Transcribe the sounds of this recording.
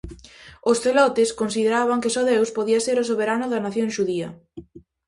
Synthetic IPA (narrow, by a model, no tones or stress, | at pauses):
ʊsθelɔt̪ɪskonsiðeɾaβaŋkɪsoðewspoðiaseɾʊs̬oβeɾanʊðanaθjoŋʃuðiɐ̰